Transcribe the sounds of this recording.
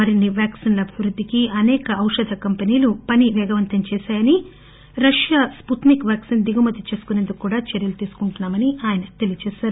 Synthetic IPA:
mɐɾinːiʋjaːksinlɐɐbʱiʋɾud̪ʱːikiɐnɛːkɐɐwʂɐd̪ʱɐkɐmpeniːlupɐniʋɛːɡɐʋɐnt̪ɐmt͡ʃɛːʃaːjɐni | ɾɐʂjaːsput̪nikʋjaːksind̪iɡɐmɐt̪ːit͡ʃe̞ːsu̥kunend̪ukːkːuːɽaːt͡ʃeɾjɐlut̪iːsu̥kuɳʈunːaːmɐniaːjɐnɐt̪e̞lijɐt͡ʃɛːʃaːɾu

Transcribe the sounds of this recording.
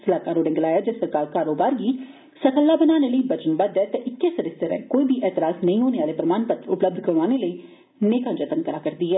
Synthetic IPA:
səlaːkaːɾoːɖẽŋɡəlaːjaːd͡ʒaːsəɾkaːɾkaːɾoːbaːɾɡiː | səkəlːaːbənaːneːləiːbət͡ʃənbəd̪ɛːt̪ɛʔɪkːeːsəɾɪseːɾɛ̰ːkoːiːbʱiːʔɛːt̪ɪɾaːsnəĩːɦoːneːaːleːpəɾəmaːnpət̪ɾʊpləb̚d̪ʱkəɾʋaːneːləiː | neːkãːd͡ʒət̪əŋkəɾaːkəɾd̪iːɦɛː

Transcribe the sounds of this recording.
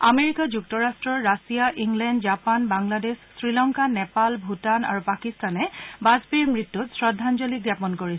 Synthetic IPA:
ameɹikad͡ʒuk̚tɔɹastɹɔɹːasijaʔiŋɡlɛndd͡ʒapanbaŋladesːɹilɔŋkanɛpalbʱutana̰ɹupakistanɛbazbiɹmɹitːutsɹɔdʱːand͡ʒɔliɡjapɔnkoɹi

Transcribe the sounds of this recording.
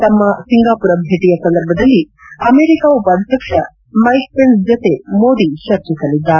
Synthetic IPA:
t̪ɐmːɐsiŋɡaːpuɾɐbʱeːʈijɐsɐ̃nd̪ɐɾbʱɐd̪ɐlːi | ɐmeːɾikaʋuʋɐɽʱt̪ɐkʂɐ | mɐjk̚pensd͡ʒɐt̪emoːd̪iʃɐɾt͡ʃɐsɐlid̪ːaː

